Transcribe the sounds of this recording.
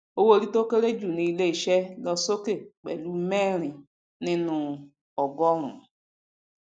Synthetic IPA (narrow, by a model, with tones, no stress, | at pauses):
o˦wo˦˨ɾi˦to˦ke˦ɾe˦d͡ʒu˦˨ni˨˦le˦˨ʃe˦lɔ˦so˦ke˦˨k͡pḛ˨lu˦me˦ɾɪ̃˨ | nɪ̃˦nʊ˨ | ɔ˨ɡɔ˦ɾʊ̰̃˨